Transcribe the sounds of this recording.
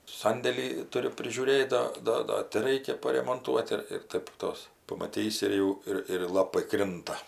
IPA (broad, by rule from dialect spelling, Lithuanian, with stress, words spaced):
ˈsɐnʲdʲeːlʲiː ˈtʊrʲʊ pʲrʲɪʒʲuːˈrʲeːt ˈdɐ ˈdɐ ˈdɐ tʲɪ ˈrɐɪkʲɛ pɐrʲɛmoːnˈtuɔt ɪr ɪr ˈtɐɪp ˈtoːs pɐmɐˈtʲiːsʲɪ ɪr ˈjɛʊ ˈɪr ɪr ˈlˠɑːpɐɪ ˈkrʲɪntɐ